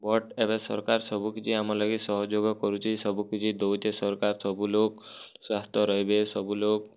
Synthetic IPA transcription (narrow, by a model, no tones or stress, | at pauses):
bɔʈebesɔɾkaɾsɔbukid͡ʒʰiamɔlɔɡisɔɦɔd͡ʒoɡɔkɔɾut͡ʃʰisɔbukid͡ʒʰid̪owd͡ʒesɔɾkaɾsɔbuloksast̪ɔɾɔɦibesɔbulok̚